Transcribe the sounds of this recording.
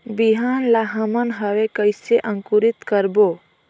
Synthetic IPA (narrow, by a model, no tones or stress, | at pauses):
biɦaːnlaɦəmənɦəwekəɪseʔə̃ŋkuɾɪt̪kəɾboː